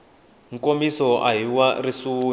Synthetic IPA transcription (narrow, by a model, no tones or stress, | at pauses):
ŋ̩komisɔʔaɦiwarisuː